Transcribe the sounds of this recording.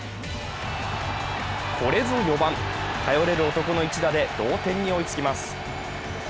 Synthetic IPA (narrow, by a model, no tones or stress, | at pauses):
kʰo̞ɾe̞zo̞jo̞bãnt̪ʰajo̞ɾe̞ɾɯ̟ot̪o̞ko̞no̞it͡ɕid̪ad̪e̞d̪̥o̞ːt̪ẽ̞ɲ̟ːio̞it͡sɨ̥kʲimasɨ̥